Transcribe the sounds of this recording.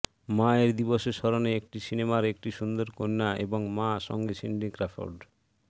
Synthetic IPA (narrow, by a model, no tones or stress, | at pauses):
maeɾd̪iboʃeʃɔɾoneek̚ʈisinemaɾekʈiʃund̪oɾkojnːaḛboŋmaʃɔ̰ŋɡesinɖikɾafo̰ɾɖ